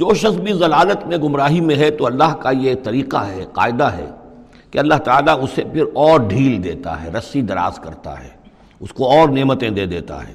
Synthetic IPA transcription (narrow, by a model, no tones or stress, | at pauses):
d͡ʒoːʃɐsbʱizɐlaːlət̪mẽɡʊmɾaːɦimẽɦɛt̪oɐlːaɦkajet̪ɐɾiːqaɦɛqa̰ːɪd̪aɦɛ̰ | keɐlːaɦt̪aaːlaʊsepʰɪɾɔːɾɖʱiːld̪ḛːt̪a̰ɦɛ̰ɾɐsid̪ɐɾa̰ːzkɐɾt̪a̰ɦɛ̰ː | ʊskoɔːɾneːmət̪ẽd̪eːd̪eːt̪a̰ɦɛ̰ː